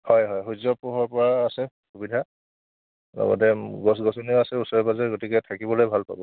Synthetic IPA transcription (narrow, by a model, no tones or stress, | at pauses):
hɔjɦɔjɦuzɔpɔɦɔɹpɔɹaːsɛxubidʱa | lɔ̰ɡɔ̰tɛɡɔs̬ɡɔsɔnioasɛusɔɹɛbazaɡotikɛtʰakibɔlojbʱalpa̰bɔ